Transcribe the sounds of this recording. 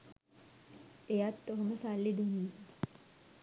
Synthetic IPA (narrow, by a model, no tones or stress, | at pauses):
ejat̪ːoɦoməsalːid̪eni